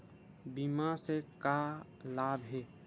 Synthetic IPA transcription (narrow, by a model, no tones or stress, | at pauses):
bimaseka | laːbʱɦeː